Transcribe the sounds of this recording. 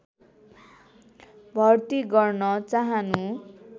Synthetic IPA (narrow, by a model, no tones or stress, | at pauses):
bʱʌrt̪iɡʌrnʌt͡saɦanu